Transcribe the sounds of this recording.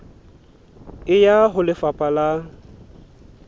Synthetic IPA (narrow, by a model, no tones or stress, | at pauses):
ɪjaɦʊlɪfapʼala